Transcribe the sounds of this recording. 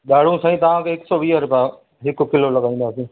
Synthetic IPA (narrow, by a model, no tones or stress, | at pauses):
ɗaːɽ̤ũːsãːĩːt̪ɐʋ̤ãːkeɪksɔːʋiːɦəɾpaː | ɦɪkkɪloːləɠaːĩːnd̪aːsĩː